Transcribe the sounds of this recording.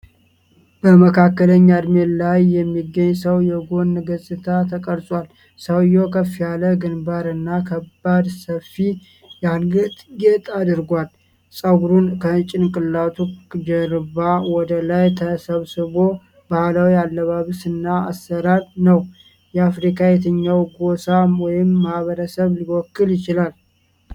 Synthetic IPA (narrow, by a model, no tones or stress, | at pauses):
b̥əməkʰakːələɲːad̪melajːɛmːiɡːəɲːsəwjɛɡo̞nːɡəsʼɨt̪ʰat̪ʰəkʼəɾsʼwal | səwjokʰəfːijaləɡɨnbaɾɨnːakʰəbːad̪səfi | jalɡɨt̪ʼɡet̪ʼad̪ɨɾɡʷal | sʼəɡɾunkʰət͡ʃʼɪnkʼɨlːat̪ʰud͡ʒɛɾɨβawɔd̪əlajt̪ʰəsəβsɨβo̞ | bahlawialːəβaβsɨnːaasːəɾaɾnəw | jɛafɾikʰajɛt̪ʰəɲːawɡosawɔjɪmːahβəɾəsəβliwɔkːɨljɪt͡ʃɪlal